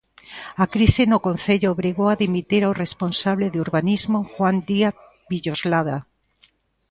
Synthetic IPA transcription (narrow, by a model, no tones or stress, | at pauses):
akɾisɪnʊkon̟θeʎʊːβɾiɣowaðimit̪iɾawresponsaβleðuɾβanizmoxwand̪iaθ | βiʎozlaða